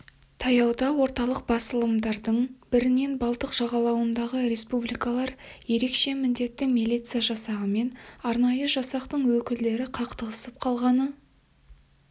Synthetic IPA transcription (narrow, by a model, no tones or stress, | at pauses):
t̪ʰɑjɑwd̪ɑwo̞ɾt̪ɑlˠəq̚bɑsəlˠəmd̪ɑɾd̪əɴbɪɾɪne̞nbɑlˠt̪əqʒ̥ɑʁɑlˠɑwənd̪ɑʁəɾe̞spublijkɑlˠɑɾje̞ɾe̞kʃe̞mɪnd̪e̞t̪ːɪmilʲˠijt̪sɨjaʒɑsɑʁəme̞nɑɾnɑjəʒɑsɑqt̪əɴwɵkʲɪld̪e̞ɾɪqʰɑqt̪əʁəsəp̚qʰɑlˠʁɑnə